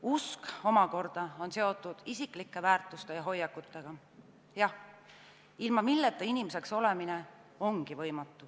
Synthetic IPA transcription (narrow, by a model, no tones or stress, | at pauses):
usko̞mɑko̞rd̪̥ɑo̞nse̞o̞t̪ːˑud̪̥isikˑlikːˑe̞væːrt̪ˑust̪e̞jɑɦo̞jːɑkːˑut̪ːˑe̞ɡ̥ɑ | jɑh | ilmɑmilːet̪ːˑɑinimese̞kso̞lemine | o̞ŋɡ̥ivɤ̞jmɑt̪ˑːu